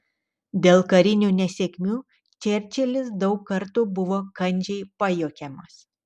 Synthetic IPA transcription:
d̪ʲeːlˠkɐɾʲɪnʲuːnʲɛsʲɛkʲmʲuː | t͡ʃʲɛɾʲt͡ʃʲɛlʲɪs̬d̪ɒʊkkːɐɾt̪ʊbʊʋoːkɐnʲˑd͡ʒʲɛɪpɑjoːkʲɛmɐs

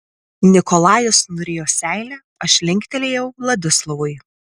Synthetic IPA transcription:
nʲɪkɔlˠɑːjʊsnʊɾʲeːjoːsʲæˑɪlʲæ | ɐʃʲlʲɪŋʲkʲt̪ʲɛlʲeːjɛʊlˠɐd̪ʲʊslˠɔʋʊɪ

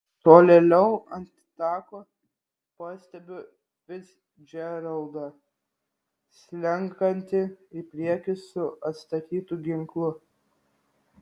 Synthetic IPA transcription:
t̪oːlʲelʲɛʊɐnʲt̪ʲ | t̪ɑːkoː | pɑːsʲt̪ʲɛbʲʊ | ʋʲɪt̪s | d͡ʒʲɛɾɐlˠd̪ɑ | sʲlʲɛŋˑkɐnʲt̪ʲɪipʲɾʲiɛkʲɪsʊɐt̪st̪ɐt̪ʲiːt̪uɡʲɪŋklˠʊ

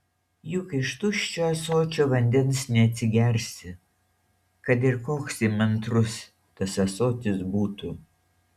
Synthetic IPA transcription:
jʊkɪʃt̪ʊʃʲt͡ʃʲoːɐsoːt͡ʃʲoːʋɐnʲd̪ʲɛnsnʲɛɐt̪ʲsʲɪɡʲɛɾʲsʲɪ | kɐt̪̬ɪɾkoːksɪmɐnt̪ɾʊs | t̪ɐsɐsoːt̪ʲɪsbuːt̪uː

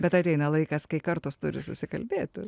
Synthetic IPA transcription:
bʲɛt̪ɐt̪ʲɛɪnɐlˠɐɪkɐskɐɪkɐɾt̪oːst̪ʊɾʲɪsʊsʲɪkɐlʲbʲeːt̪ʲʊ

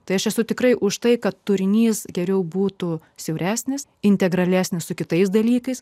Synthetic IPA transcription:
t̪ɐɪɐʃɛsʊt̪ʲɪkrɐɪʔʊʃt̪ɐɪkɐt̪ːʊɾʲɪnʲiːsɡʲɛɾʲɛʊbuːt̪ʊ | sʲɛʊɾʲæːsʲnʲɪsɪnʲt̪ʲɛɡɾɐlʲæːsʲnʲɪssʊkʲɪt̪ɐɪs̬d̪ɐlʲiːkɐɪs

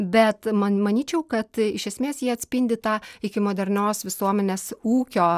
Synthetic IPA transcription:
bʲɛt̪mɐmɐnʲiːt͡ʃʲɛʊkɐt̪ɪʃʲɛsʲmʲeːsjiɛɐt̪ʲsʲpʲɪnʲd̪ʲɪt̪ɑːɪkʲɪmoːd̪ʲɛɾʲnʲoːsʋʲɪsuɔmʲɛnʲeːsuːkʲoː

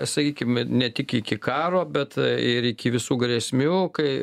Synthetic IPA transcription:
sɐkʲiːkʲɪmnʲɛt̪ʲɪkɪkʲɪkɑːɾoːbʲɛt̪ɪɾɪkʲɪʋʲɪsuːɡɾʲesʲmʲuːkɐɪ

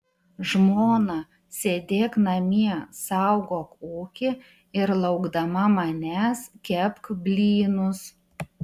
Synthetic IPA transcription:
ʒmoːnɐ | sʲeːd̪ʲeːknɐmʲiɛsɑˑʊɡoːkuːkʲɪ | ɪɾlˠɐʊɡd̪ɐmɐmɐnʲæːskʲɛpkbʲlʲiːnʊs

